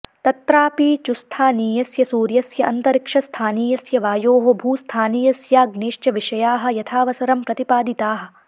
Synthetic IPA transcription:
t̪ɐt̪ɾaːpiːt͡ʃust̪ʰaːniːjɐsjɐsuːɾjɐsjɐʔɐnt̪ɐɾikʂɐst̪ʰaːniːjɐsjɐʋaːjoːɦobʱuːst̪ʰaːniːjɐsjaːɡneːʃt͡ʃɐʋiʂɐjaːɦɐ̆jɐt̪ʰaːʋɐsɐɾɐmpɾɐt̪ipaːd̪it̪aːɦɐ̆

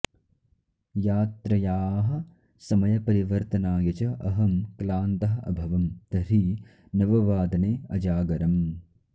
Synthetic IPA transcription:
jaːt̪ɾɐjaːɦɐ̆ | sɐmɐjɐpɐɾiʋɐɾt̪ɐnaːjɐt͡ʃɐʔɐɦɐmklaːnt̪ɐɦɐɐ̰bʱɐʋɐmt̪ɐɾi | nɐʋɐʋaːd̪ɐneːɐd͡ʒaːɡɐɾɐm

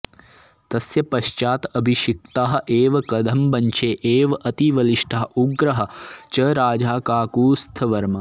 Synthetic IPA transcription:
t̪ɐsjɐpɐʃt͡ʃaːt̪ɐbʱiʃik̚t̪aːɦɐ̆ʔeːʋɐkɐd̪ʱɐmbɐɲt͡ʃʰeːʔeːʋɐʔɐt̪iʋɐliʃʈʰɐɦɐuɡɾɐɦɐ̆t͡ʃɐɾaːd͡ʒaːkaːkuːst̪ʰɐʋɐɾmɐ

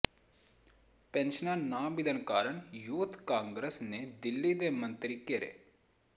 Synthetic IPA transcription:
penʃənanaːbilənkaːɾəɳ̃juːt̪kaːŋɡɾesned̪ɪlːid̪emɐ̃nt̪ɾikeɾḛ

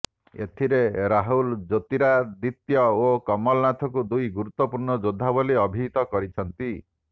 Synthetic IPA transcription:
ḛt̪ʰiɾeɾaɦuld͡ʒot̪iɾad̪it̪jɔokɔmɔlɔnat̪ʰɔkud̪ujɡuɾut̪ːɔpuɾɳɔd͡ʒod̪ʱːaboliɔbʱit̪ɔkɔɾit͡ʃʰɔnt̪i

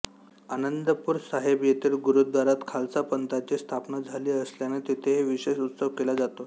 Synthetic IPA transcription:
anənd̪əpuːɾsaɦebjet̪iːlɡuɾud̪ʋaɾat̪kʰalt͡sapənt̪at͡ɕest̪ʰapnəd͡zʱaliːəsljanet̪it̪ʰeɦeʋiɕeɕut̪səʋkelad͡zat̪o

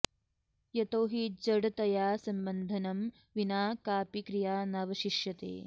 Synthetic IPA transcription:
jɐt̪oːɦid͡ʒɐɽɐt̪ɐjaːsɐmbɐnd̪ʱɐnɐm | ʋinaːkaːpikɾijaːnɐʋɐʃiʃjɐt̪ḛː

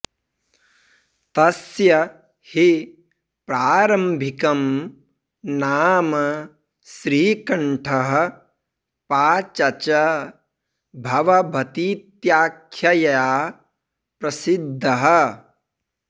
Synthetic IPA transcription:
t̪ɐsjɐ | hi | pɾaːɾɐmbʱikɐm | naːmɐ | sɾiːkɐɳʈʰɐɦɐ̆ | paːt͡ʃɐt͡ʃɐ | bʱɐʋɐbʱɐt̪iːt̪jaːkʰjɐjɐjaː | pɾɐsid̪ʱːɐɦɐ

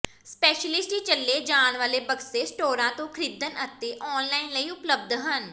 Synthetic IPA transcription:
spɛːʃəlɪsʈiːt͡ʃəlːeːd͡ʒaːɳʋaːleːbəɡseːsʈoːɾãːt̪õːkʰɾɪd̪ənət̪eːʔɔːnlaːinləiːʊpləb̚d̪ɦən

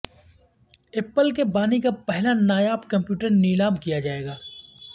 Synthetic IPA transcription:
ɪpːəlkebaːnikapɛɦlanaːjaːpkɐ̃mpjuːʈəɾniːlaːmkijad͡ʒaːeːɡaː

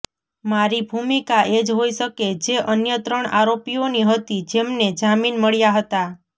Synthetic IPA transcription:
maɾibʱumikaʔed͡ʒɦoiʃəked͡ʒeʔənjət̪ɾəɳa̰ɾopioniɦət̪id͡ʒemned͡ʒaminməɭjaɦət̪a

